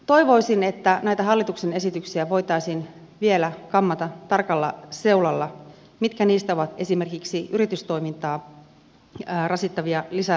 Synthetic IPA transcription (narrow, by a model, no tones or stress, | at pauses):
t̪o̞iʋo̞isine̞t̪ːænæjt̪æɦɑlːit̪uksene̞sit̪yksiæʋo̞jt̪ɑijsin | ʋielækɑmːɑt̪ɑt̪ɑrkɑlːɑ̰se̞ulɑlːɑ | mit̪kæniːst̪æoʋɑt̪e̞sime̞rkiksiyɾit̪yst̪o̞jmint̪ɑː | rɑsit̪ːɑʋiɑlisæ